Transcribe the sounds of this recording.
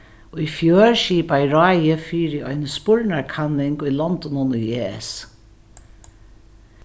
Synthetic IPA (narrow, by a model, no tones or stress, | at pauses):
ɔifjøːɹʃiːpajɹaːjəfiːɾɪɔjnspʊɹnaɹkʰanːɪŋkʊjlɔnd̪ɔnʊnʊjeːs